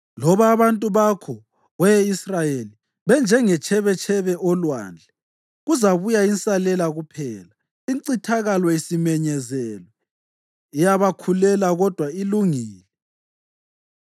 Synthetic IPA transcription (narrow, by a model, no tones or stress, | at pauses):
lɔβaːβantʼuβakʰɔ | ɣwɛisrajeli | βɛnd͡ʒʱɛŋɛt͡ʃʰɛβɛt͡ʃʰɛβɛʔɔlwa̰ːnd͡ɮʱɛ | ɣuzaβujainsʼalɛlaɣupʰɛːla | iǀitʰaɣalɔisimɛɲɛzɛlwɛ | ijaβakʰulɛlaɣɔd̥ʱwailuŋiːlɛ